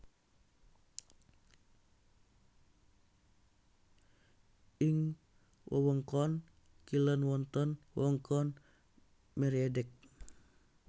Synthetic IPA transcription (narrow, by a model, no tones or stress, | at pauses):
ʔiŋ | wʔə̰wɔŋkɔn | kilənwɔnt̪ɔnwəɔŋkʰɔn | mɛɾiadɛk̚